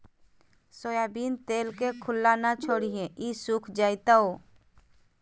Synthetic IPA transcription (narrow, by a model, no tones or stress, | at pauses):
soːjaːbiːnt̪eːlkekʰʊlːaːnat͡ʃʰoːɽiɦẽisukʰd͡ʒaːɪt̪aoː